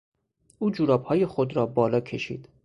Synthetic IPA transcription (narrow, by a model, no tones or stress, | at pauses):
ʔuːd͡ʒuːɾɒːbhɒːjexod̪ɾɒːbɒːlɒːcʰe̞ʃḭːd̪